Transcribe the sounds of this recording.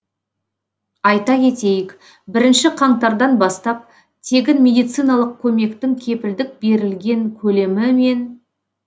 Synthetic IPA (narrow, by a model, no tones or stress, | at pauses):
ɑjt̪ɑkʲe̞t̪e̞jɪk | bɪɾɪnʃɪqʰɑɴt̪ɑɾd̪ɑnbɑst̪ɑp̚ | t̪ʰe̞ɡʲɪnmʲe̞d̪ijt̪sɨjnɑlˠəq̚kʲʰɵme̞kt̪ɪŋkʲʰe̞pɪld̪ɪk̚be̞ɾɪlɡʲe̞ŋkʲʰɵle̞mɪme̞n